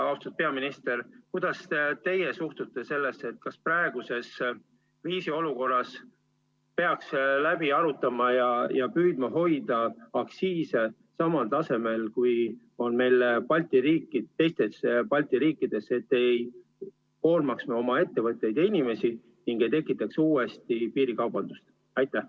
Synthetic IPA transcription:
ɑwst̪ut̪̚peɑminist̪e̞rkujd̪̥ɑset̪e̞jesuht̪ut̪ːˑe̞se̞lːe̞ste̞t̪̚kɑsprɑe̞ɡ̥use̞s | viːsio̞luko̞rːɑs | pe̞ɑkslæb̥iɑɾut̪ːˑɑmɑjɑjɑpyːd̪̥̚mɑɦo̞jd̪̥ɑɑksiːse | sɑmɑlt̪ɑse̞me̞lkuj | o̞nme̞jlpɑlʲt̪iɾiːkːˑit̪ːe̞jst̪e̞spɑlʲt̪iɾiːkːˑid̪̥e̞se̞t̪ːe̞j | ko̞ːlmɑksmeo̞mɑe̞t̪ːe̞vɤt̪ːˑe̞jd̪inime̞si | niŋɡe̞jt̪e̞kːˑit̪ːˑɑksuːe̞st̪ipiːɾikɑwb̥ɑnd̪̥ust̪ | ɑjt̪ːˑæh

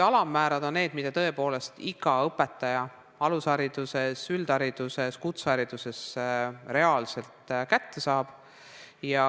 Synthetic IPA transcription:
ɑlɑmːæːɾɑd̪̥o̞nːe̞ːd̪mid̪ɑt̪ɤe̞po̞ːle̞st̪iɡ̥ɑɤpːˑe̞t̪ːˑɑjɑ | ɑlusɑɾid̪̥usesyld̪̥ɑɾid̪̥useskut̪sɑɾid̪̥use̞sɾe̞ɑːlse̞lt̪ˑkæt̪ːe̞sɑːb̥ | jɑ

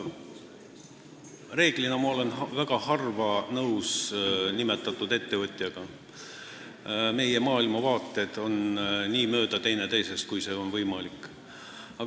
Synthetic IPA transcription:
re̞ːɡ̥linɑmɑo̞le̞nvæɡ̥ɑhɑrvɑnɤwsnime̞t̪ːˑɑt̪ːˑud̪̥e̞t̪ːe̞vɤt̪ʲˑjɑɡ̥ɑ | me̞je̞mɑːilmɑvɑːt̪ːˑe̞d̪̥o̞nniːmø̞ːd̪̥ɑt̪e̞jne̞t̪e̞jse̞st̪̚kujse̞ːo̞nvɤjmɑlikːˑ | ɑ

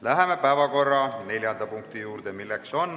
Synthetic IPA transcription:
læɦe̞me̞pæevɑko̞rːɑne̞lʲjɑnd̪̥ɑpuŋkt̪ijuːrd̪̥emilːekso̞n

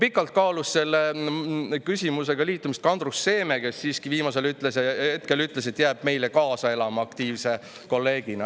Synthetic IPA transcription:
pikːˑɑlt̪̚kɑːlusse̞lːe | kysʲimuse̞ɡ̥ɑliːt̪ːˑumist̪kɑnd̪̥rusːe̞ːme̞ke̞sːiːskiviːmɑse̞lyt̪ˑlesjɑet̪̚ke̞lyt̪ːˑles̬et̪ːjæːb̥̚me̞jlekɑːsɑe̞lɑmɑɑkt̪iːvse̞ | ko̞lːe̞ːɡ̥inɑ

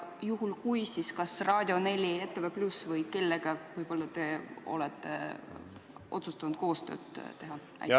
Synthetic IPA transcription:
juhulkujsiskɑsrɑːd̪̥ʲio̞ne̞lʲiet̪ːˑeveplusvɤjke̞lːeɡ̥ɑvɯjb̥o̞lːɑt̪e̞o̞̰let̪ˑːe̞̰ | ʔo̞t̪sust̪ɑnud̪̥̚ko̞ːst̪ø̰ːd̪t̪e̞ɦɑ | ɑ̰j̪

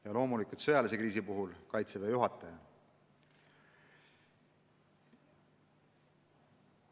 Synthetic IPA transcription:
jɑlo̞ːmulikut̪sɤjɑlesekriːs̬ipuɦulkɑjt̪sevejuɦɑt̪ːˑɑjɑ

